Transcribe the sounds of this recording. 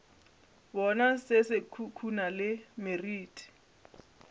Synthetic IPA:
bɔnasɪsɪkʰukʰunalɪmeriːtʰʼi̥

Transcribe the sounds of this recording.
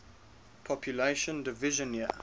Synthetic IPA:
pʰɔpʰjuleɪʃə̃ndɪvɪʒə̃nə

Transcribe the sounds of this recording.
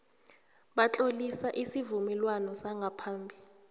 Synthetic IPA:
ɓat͡ɬʼolisaʔisivumɛlwanɔsaŋɡʱapʰaːmbʱi

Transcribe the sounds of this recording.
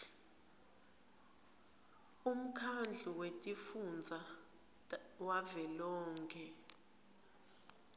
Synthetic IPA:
um̩kʰand͡ɮʱuwetʼifund͡zʱa | wavɛlɔːŋkʰɛ

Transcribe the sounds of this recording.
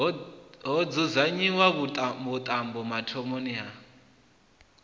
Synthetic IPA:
ɦɔd͡zuzaɲiwaβuβut̪ʼambɔmatʰɔmoniɦa

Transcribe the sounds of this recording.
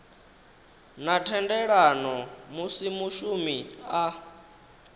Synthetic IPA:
natʰɛndɛɺanɔmusimuʃumia

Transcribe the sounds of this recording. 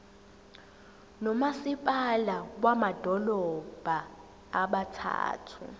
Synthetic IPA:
nɔmasipʼalak̬wamad̥ʱɔlɔb̥ʱaː | ɓatʰa̰ːtʰṵ

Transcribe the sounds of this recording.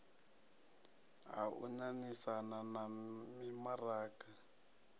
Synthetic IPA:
ɦa̰ṵɲanisananamimaraːka

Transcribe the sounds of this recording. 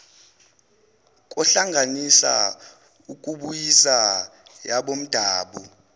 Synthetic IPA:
k̬ʼɔɬaŋʱanisa̰ | uk̬ʼuɓujisajaɓom̩d̥ʱaːɓu

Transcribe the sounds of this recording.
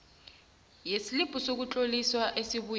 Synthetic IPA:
jesilipʼusok̬ut͡ɬʼoliswaʔesiβuj

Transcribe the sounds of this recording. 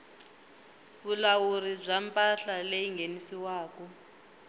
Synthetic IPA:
βulawuɾib͡ʐʷampʼaɬaleiŋɡʱenisiwaːkɔ

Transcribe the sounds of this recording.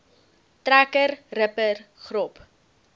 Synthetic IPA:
trækəɾrəpərχrɔp

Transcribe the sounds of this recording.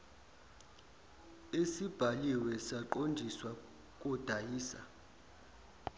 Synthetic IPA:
esib̥ʱaliwɛsaǃondʱiswa | kʼɔd̥ʱajiːsa̰

